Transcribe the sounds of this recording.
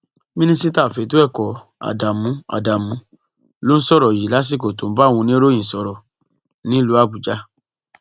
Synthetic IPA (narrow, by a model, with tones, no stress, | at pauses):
mĩ˦nĩ˧si˦ta˦˨fe˨˦tu˦ɛ˦˨kɔ˨ | a̰˨da˨mũ˨˦a̰˨da˨mũ˨˦ | lo˦n̩˦sɔ˦˨ɾɔ˨ji˨la˨˦s̬i˦˨ko˨tõ˨˦ba˦˨w̃ũ˧nĩ˦ɾo˦j̃ĩ˨sɔ˧ɾɔ˨ | nĩ˦lu˨˦a˦˨bu˨d͡ʒa˨˦